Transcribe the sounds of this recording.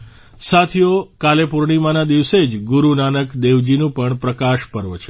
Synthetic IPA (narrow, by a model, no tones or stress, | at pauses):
sat̪ʰijokalepuɾɳimanad̪iʋsed͡ʒɡuɾunanəkd̪eʋd͡ʒinũpəɳpɾəkaʃpəɾʋət͡ʃʰe